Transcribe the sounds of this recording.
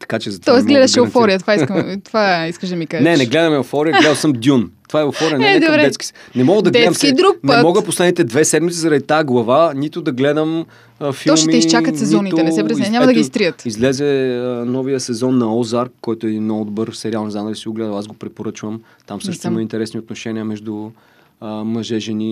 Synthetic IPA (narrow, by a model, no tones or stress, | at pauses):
t̪ɐ̥kat͡ʃɛzɐt̪vɔɛsɡlɛd̪ɐʃɛofɔɾijət̪ovaikmt̪vaiskəʃd̪ɐmikaznɛnɛɡlɛd̪ɐmɛofɔɾiəɡat̪o̥səmd̪ʲjunt̪ovaɛofɔɾɾɛənd̪obɾɛɛski̥sɛnɛmɔɡəd̪ɐɡ̪ɛd̪mkid̪ɾuk̚nɛət̪mɔɡəposlɛd̪nit̪ɛd̪vɛsɛd̪mit̪sizɐɾɐd̪it̪aɛɡlˠɐvanit̪ʊd̪ɐɡlɛd̪əm | fiɔlˠmiisʃt͡ʃakət̪sɛzɔnit̪ɛnɛɛpɾɛzɛɲamɐd̪ɐɡɡist̪ɾiət̪izlɛzɛənɔvijəsɛzɔnːɐɔzaɾkːɔjt̪ʊɛinːod̪bɤɾfsɛɾialˠnozamnəɡ̪isiɡoɡlɛd̪əasɡopɾɛpoɾɤt͡ʃvəm | t̪amsɤʃt̪simɐint̪ɛɾɛsnʲiot̪noʃɛniəmɛʒd̪ʊ | əmɐʒɛʒɛni